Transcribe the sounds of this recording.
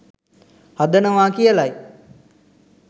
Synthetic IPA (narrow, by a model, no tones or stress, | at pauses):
had̪ənəʋaːkijəlaj